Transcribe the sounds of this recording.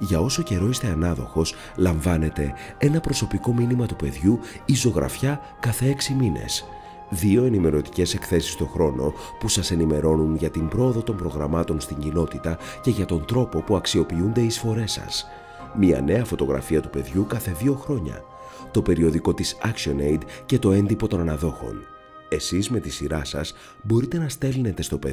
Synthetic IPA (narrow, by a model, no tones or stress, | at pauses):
ʝɐo̞so̞ce̞ɾo̞ist̪e̞ɐnɐðo̞̰xo̞s | lɐɱvɐne̞t̪e̞ | e̞nɐpɾo̞so̞piko̞minimɐt̪upe̞ðʝu | izo̞ɣɾɐ̰fçɐ | kɐθe̞e̞ksimine̞̰s | ðio̞e̞nime̞ɾo̞t̪i̥ce̞se̞kθe̞si̥st̪o̞xɾo̞no̞ | pusɐse̞nime̞ɾo̞nunʝɐt̪imbɾo̞ːðo̞t̪o̞mbɾo̞ɣɾɐmɐt̪o̞nst̪iɲɟino̞t̪it̪ɐ | ce̞ʝɐt̪o̞nd̪ɾo̞po̞puɐksio̞piund̪e̞isfo̞ɾe̞sɐ̰s | miɐ̰ne̞ɐfo̞t̪o̞ɣɾɐ̰fiɐt̪upe̞ðʝukɐθe̞ðio̞xɾo̞ɲɐ̰ | t̪o̞pe̞ɾio̞ðiko̞t̪isɐksio̞nejd̪ce̞t̪o̞e̞nd̪ipo̞t̪o̞nɐnɐðo̞xo̞̰n | e̞sizme̞t̪isiɾɐsɐ̰s | bo̞ɾit̪e̞nɐst̪e̞line̞t̪e̞st̪o̞pe